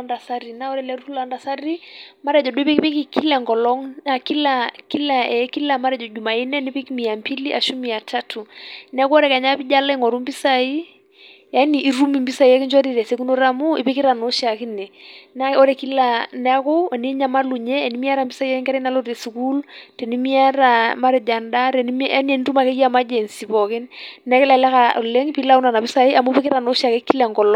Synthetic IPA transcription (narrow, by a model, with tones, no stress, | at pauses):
nda˨sa˦ɾi˨na˦ɔ˦ɾɛ˨lɛ˦ɾu˦tu˦la˨nda˨sa˦ɾi˦ma˦ɾɛ˨d͡ʒɔ˨ɗu˦i˦pi˦ki˦pi˦ki˦ki˦lɛ˨ŋɡɔ˨lɔ˦ŋna˨ki˦la˦ki˦la˨ɛ˦ki˦la˨ma˦ɾɛ˨d͡ʒɔ˨d͡ʒu˨ma˨i˦nɛ˦ni˦pi˦ki˦mi˨a˨mpi˦li˦ʔa˨ʃu˦mi˨a˨tʰa˦tʰu˨nɛ˦ku˦ɔ˦ɾɛ˨ka˨ɲa˦pi˦ʄa˦la˦i˦ŋɔ˨ɾu˦mbi˦sai˦ | ja˦niː˨˦ɾu˦mi˨mbi˦sa˨i˨a˦ki˦nd͡ʒwa˦ɾi˦ɾɛ˨sɛ˦ku˦no˦ɾa˦mu˦ḭ˨pi˦ki˦ɾa˨no˦ʃa˨ki˦nɛ˨na˦o˦ɾe˨ki˦la˨nɛ˦ko˦˨ni˦ɲa˦ma˦lu˨ɲɛː˦˨ni˦mi˦a˦ɾa˨mbi˦sa˦i˦jɛ˦kɪ˦ŋkɛɾɛ˦na˦lo˦ɾe˨si˨ku˦ltɛ˨ni˦mi˦a˦ɾa˨ma˦ɾe˨d͡ʒa˨nda˦ɾɛ˨ni˦a˦ni˦ɛ˨n˦tu˦ma˨kɛ˦ki˦a˦˨ma˦d͡ʒe˨nsi˨bɔ˨kɪ˦nːɛ˦kɪ˦la˨lɛ˦ka˨le˦ŋpi˦la˦u˦na˨na˨pi˦sa˨i˦a˨mo˦pɪ˦kɪ˦ɾa˨no˦ʃa˨ke˦kːi˦lɛ˨ŋɡɔ˨lɔ˦